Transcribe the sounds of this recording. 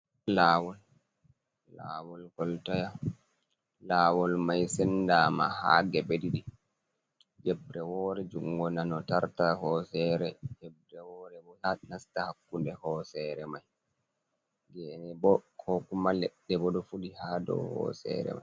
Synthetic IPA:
laːwɔl | la̰wɔlɡɔltaja | laːwɔlmajsɛndaːma̰ha̰ɡɛbediɗi | d͡ʒɛbɾɛwɔːɾɛd͡ʒuŋɡɔnanɔtaɾtahɔsɛɾɛd͡ʒɛb̚ɾɛwɔːɾɛbɔanastahakːundɛhɔsɛɾɛmaj | ɡɛnɛbɔkʰɔkumalɛɗːɛbɔdɔfudihadɔ̰hɔ̰ːsɛ̰ɾɛ̰ma̰jj

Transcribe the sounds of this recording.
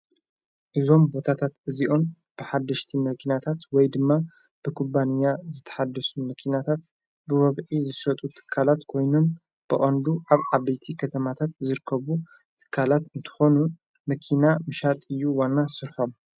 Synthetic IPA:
ʔɨzo̞mbo̞t̪ʰat̪ʰat̪ʔɨziʔo̞n | b̥ɨħad̪ːɐʃt̪ʰimɐkʰinat̪ʰat̪wɔjd̪ɨmːa | b̥ɨkʰubanijazɨt̪ʰːɐ̥ħad̪ːɐsumɐkʰinat̪ʰat̪ | bɨwɐβʕizɨsɐt̪ʼut̪ʰɨ̥kʰːalat̪kʰo̞jnun | b̥ɨʔʼɐnd̪uʔaβʕaβejt̪ʰikʰɐt̪ʰɐmat̪ʰat̪zɨɾɨkʰːɐβu | t̪ʰɨ̥kʰːalat̪ɨnt̪ʰɨ̥xo̞nu | mɐkʰinamɨʃat̪ʼɨjːuwanːasɨɾħo̞m

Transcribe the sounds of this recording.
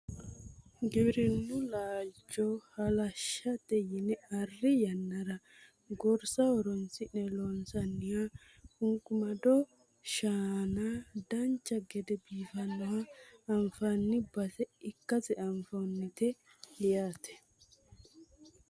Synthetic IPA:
ɡɪbɾɪnːʊlaːd͡ʒːɔhɐlɐʃːɐd̪ɛjɪnɛɐrːɪjɐnːɐɾɐ | ɡɔɾsɐɔɾɔnsɪnɛlɔnsɐnːɪja | kʊŋkʼʊmɐd̪ɔ | ʃaːnaːd̪ɐnt͡ʃːɐɡɛd̪ɛbiːfɐnːɔhɐːmfanːɪbɐsɛɪkːɐt͡sɛʔɐmfɐnːɪt̪ɛ | hɪjaːt̪ɛ̥

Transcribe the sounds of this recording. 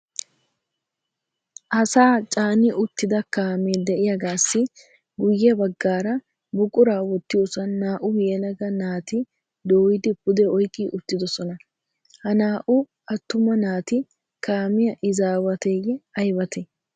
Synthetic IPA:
ʔɐsaːt͡ʃʼaːnɪʔʊt̪ːɪd̪ɐkaːmeːd̪ɛʔɪjɐɡaːsːɪ | ɡʊjːɛbɐɡːaːɾɐ | bʊkʼːʊɾaːwɔt̪ːɪjoːsɐnːaːʔʊjeːlɐɡɐnaːt̪ɪ | d̪oːɪd̪ɪbʊd̪ɛɔjkʼːiʔʊt̪ːɪd̪ɔsɔnɐ | hɐnaːʔʊ | ɐt̪ːʊmɐnaːt̪ɪ | kaːmɪjɐʔɪzaːwɐt̪eːɡɛɐjbɐt̪ʰɛ

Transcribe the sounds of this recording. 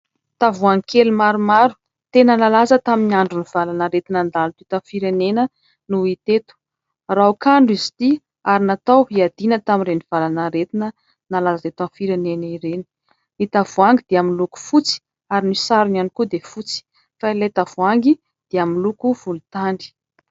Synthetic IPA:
t̪avuaŋikʰelumaɾumaɾu̥ | t̪enənalazət̪aminiaɳɖ͡ʐuniv̥alanaɾet̪inand̪alt̪it̪anfiɾenenə | nuit̪et̪u̥ | raukaɳɖ͡ʐizi̥t̪i | aɾinat̪awɦiad̪̥inət̪amiɾeniv̥alanaɾet̪inə | nalazaet̪anfiɾeneniɾeni̥ | it̪avuaŋɡid̪̥eaminluku̥fut͡si̥ | aɾinisaɾunanikud̪efut͡si̥ | failet̪avuaŋɡi | d̪̥eaminlukuv̥ulut̪aɳɖ͡ʐi̥

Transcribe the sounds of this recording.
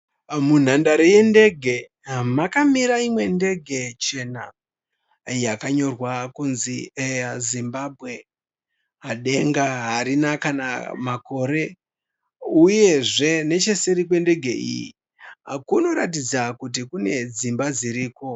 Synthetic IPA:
mun̤andaɾeje̞nde̞ɡʱe̞ | makamiɾaimwe̞nde̞ɡʱe̞t͡ʃe̞na̰ | jakaɲo̞rwakunziezimbabʱɣe̞ | ɦaɗe̞ŋɡaɦaɾinakana̰mako̞ɾe̞ | uje̞ʐe̞ne̞t͡ʃe̞seɾik̬we̞nde̞ɡʱe̞ʔḭjḭ | kuno̞ɾat̬id͡zakut̬ikune̞d͡zimbad͡ziɾiːko̞

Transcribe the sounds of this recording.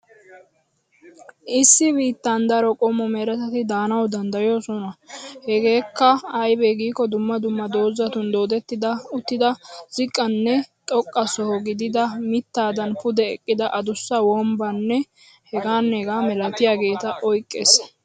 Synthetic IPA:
ʔɪsːɪbiːt̪ːand̪ɐɾɔkʼɔmːɔmeːɾɐt̪ɐt̪ɪd̪aːnɐwd̪ɐnd̪ɐjoːsɔnɐhɛɡe̞ːkːɐɐjbɛɡiːkːɔd̪ʊmːɐd̪ʊmːɐd̪o̞ːzɐt̪ʊnd̪o̞ːd̪ɛt̪ːɪd̪ɐʊt̪ːɪd̪ɐzɪkʼːɐnːɛt̪ʼɔkʼːɐsɔhɔɡɪd̪ɪd̪ɐmɪt̪ːaːd̪ɐnpʊd̪ɛɛkʼːɪd̪ɐʔɐd̪ʊsːɐwɔmbɐnːɛ | hɛɡaːnːɛɛɡaːmɛlɐt̪ɪjaːɡe̞ːt̪ɐʔɔjkʼːḛs

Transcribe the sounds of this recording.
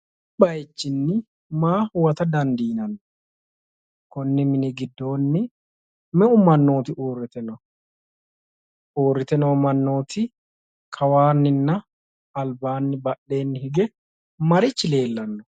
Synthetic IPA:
ɓɐjt͡ʃːɪnːɪ | maːwɐt̪ɐd̪ɐnd̪iːnɐnːɔ | kɔnːɪmɪnɪɡɪd̪ːo̞ːnːɪ | mɛʔʊmɐnːo̞ːt̪ɪʔoːrːɪt̪ɛnɔ | ʔoːrːɪt̪ɛnomɐnːoːt̪ʰɪ | kʰɐwaːnːɪnːɐ | ɐlbaːnːɪbɐɗːe̞ːnːɪhɪɡɛ | mɐɾɪt͡ʃːɪle̞ːlːɐnːɔ

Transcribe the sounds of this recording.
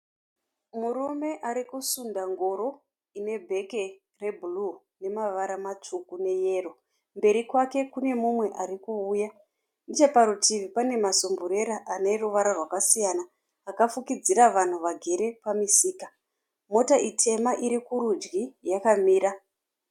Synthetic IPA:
murume̞ʔaɾikusundaŋɡo̞ɾo̞ | ine̞bʱe̞ke̞ | re̞bʱulu | ne̞maʋaɾamat͡ʂukune̞je̞ːro̞ | mbe̞ɾikwake̞kune̞mumwe̞ʔaɾikuːja | nit͡ʃepaɾutiʋipane̞masombuɾe̞ɾaʔane̞ruʋaɾarwakasijanaː | kafukid͡ziɾaʋan̤uʋaɡʱe̞ɾe̞pamisiːka | mo̞taʔitʰe̞maʔiɾikuɾud͡ʒɡijakamiːɾa

